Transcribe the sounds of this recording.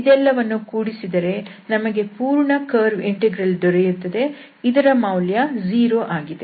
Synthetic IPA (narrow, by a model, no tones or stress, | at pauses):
id̪ɛlːɐʋɐnːukuːɽisid̪ɐɾe̞nɐmɐɡe̞puːɾɳɐkɐːɾʋiɳʈeɡɾɐld̪ɔɾejut̪ːɐd̪e̞ | id̪ɐɾɐmɐwljɐziːɾoʔaːɡid̪e